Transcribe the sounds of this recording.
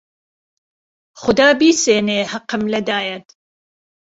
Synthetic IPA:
χʊd̪aːbiːseːneːhɐqəmlɛd̪aːjɛt̪

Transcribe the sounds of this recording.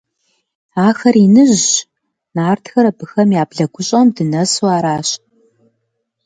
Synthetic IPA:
aːxɐrinɨʑ | naːrtʰxɐɾɐbɨxɐmjaːbɮɐɡʷʊɕʼɐmdɨnɐswaːɾaːɕ

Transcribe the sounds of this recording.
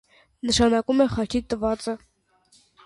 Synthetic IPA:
nəʃɑnɑkumɛχɑt͡ʃʰit̪əvɑt͡sə

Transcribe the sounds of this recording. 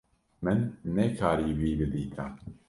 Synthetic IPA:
mɨnːɛkʰaːɾiːwiːbɨd̪iːt̪ʰa

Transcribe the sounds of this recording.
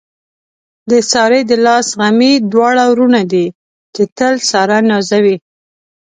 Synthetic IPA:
d̪əsɑɾed̪əlɑsɣamid̪wɑɽawɾunad̪i | t͡ʃet̪əlsɑɾanɑzawi

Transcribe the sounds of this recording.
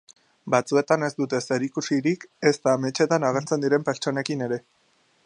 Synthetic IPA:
bat͡sue̞t̪ane̞zd̪ut̪e̞se̞ɾikusiɾike̞st̪ame̞t͡ʃe̞t̪anaɣeɾt͡se̞nd̪iɾe̞mpe̞ɾt͡ʃo̞ne̞kine̞ɾe̞

